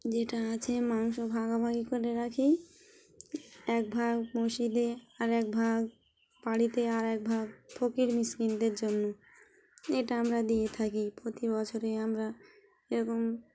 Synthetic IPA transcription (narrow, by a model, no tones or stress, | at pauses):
d͡ʑeʈaat͡ɕʰemanuʃobʱaɡabʱaɡikoɾeɾakʰi | ɛk̚bʱaɡmoʃid̪eaɾɛk̚bʱaɡ | paɽit̪eaɾɛk̚bʱaɡpʰokiɾmiskind̪eɾd͡ʑonːo | eʈaamɾad̪ijet̪ʰakipɾot̪ibɔt͡ɕʰoɾeamɾa | eɾɔkom